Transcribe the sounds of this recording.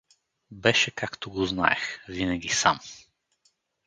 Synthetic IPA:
bɛʃɛkakt̪oɡozna̰ɛxvinɛɡʲisam

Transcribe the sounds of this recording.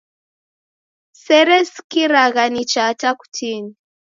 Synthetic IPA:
sɛɾɛskiɾaɣanit͡ʃataku̥tini

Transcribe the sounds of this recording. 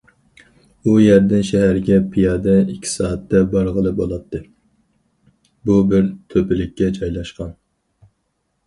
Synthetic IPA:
ujæɾd̪ɪnʃɛɦæɾɪɡʲɛpʰijɑːd̪ɛikʲʰːi̥sɑːɑt̪ʰːɛbɑɾʁəlˠɨbolˠɑt̪ʰːɨ | bubɪɾt̪ʰøpɪlɪkʲːɛt͡ʃʰɑjlˠɑʃqɑn

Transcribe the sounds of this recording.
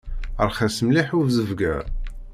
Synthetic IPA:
əɾˤχæsəmliħuvzəvɡæ̰ɾ

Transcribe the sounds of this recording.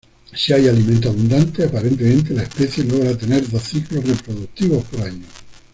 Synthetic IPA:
siajalimẽnt̪̬oaβund̪ant̪eapaɾe̞nt̪̬emẽnt̪elaespe̞θje̞lo̞ɣ̞ɾat̪e̞ne̞ɾðoθiklo̞repɾo̞ðuk̚t̪iβo̞spoɾaɲo

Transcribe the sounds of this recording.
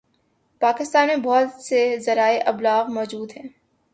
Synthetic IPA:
paːkɪst̪aːnmẽbɔɦt̪sezɐɾaːeʔɐblaːɣmɔːd͡ʒuːd̪ɦɛ̃ː

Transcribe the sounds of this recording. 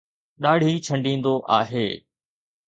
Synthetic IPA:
ɗaːɽ̤ʱiːt͡ʃʰə̃ɳɖĩːnd̪oʔaːɦeː

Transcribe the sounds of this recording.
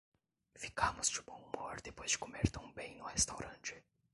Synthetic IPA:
fi̥kãmʊzd͡ʒɪbõw̃umoɾd̪epojzd͡ʒɪkomeɾt̪ɐ̃w̃bẽj̃nʊhest̪awɾʔɐ̃nt͡ʃɪ̥

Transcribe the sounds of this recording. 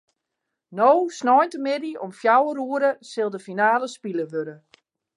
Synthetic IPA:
nowsnɔjntəmɪdiɔmfjawəruəɾəsɪlˠdəfinaːləspiləʋøɾə

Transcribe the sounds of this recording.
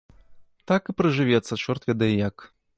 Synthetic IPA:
t̪akɨpɾɨʐɨvʲɛt̪sːɐt͡ʂɔrt̪vʲɛd̪ɐjɛjak

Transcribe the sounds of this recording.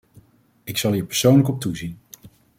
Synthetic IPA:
ɪksɑlˠiːɹpəɹsownləkɔp̚tuzin

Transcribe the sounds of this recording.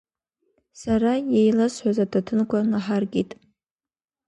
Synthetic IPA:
saɾajejlasħʷazatʰatʰɨnkʷʰanaħarɡʲitʼ

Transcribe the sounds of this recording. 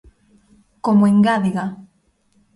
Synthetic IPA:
komoeŋɡaðiɣa

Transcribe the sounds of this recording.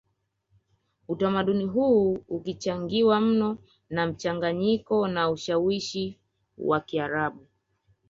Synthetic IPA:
utamaɗuniɦuːukit͡ʃaŋɡiwam̩nɔ | nam̩t͡ʃaŋɡaɲikɔnauʃawiʃi | wakiaɾaɓu

